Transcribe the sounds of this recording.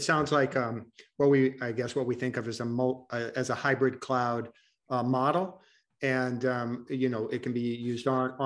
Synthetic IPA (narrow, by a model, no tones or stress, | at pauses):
tsãʊ̃ndzlaɪkʌ̃mwʌt̚wiaɪɡɛswʌt̚wiθɪ̃ŋkʌvɨzəmoɨzəhaɪbɹɨd̚kʰl̥aʊd̚ | ʌmɑɾl̩ˠ | ɨ̃nʌ̃mjɨnoʊʔɪt̚kʰɨ̃n̩bijʉzdnə